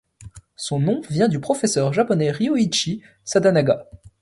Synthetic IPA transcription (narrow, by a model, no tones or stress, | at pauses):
sɔ̃nɔ̃vjɛ̃d̪ypχɔfɛsœʁʒapɔnɛʁioit͡ʃi | sad̪anaɡa